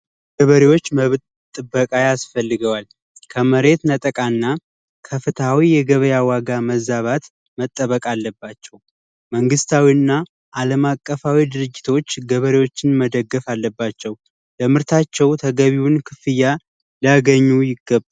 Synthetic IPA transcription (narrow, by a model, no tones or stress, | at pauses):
ɡəβəɾewo̞t͡ʃːməβt̪ʼ | t̪ʼːɨbːəkʼajasfəlːɨɡəwal | kʰəməɾe̞t̪nət̪ʼəkʼanːa | kʰəfɨt̪ʰawijɛɡəβəjawaɡaməzaβat̪ | mət̪ʼːəβəkʼalːəbːat͡ʃːɛw | məŋɡɨst̪ʰawinːa | ʔaləmakʼːəfawid̪ɨɾɨd͡ʒːɪt̪ʰo̞t͡ʃːɡəβəɾewo̞t͡ʃːɪnməd̪əɡːəfalːəbːat͡ʃːɛw | ləmɨɾt̪ʰat͡ʃːɛwt̪ʰəɡəβiwunkʰɨfɨjːa | ləaɡəɲːujɪɡːəbːa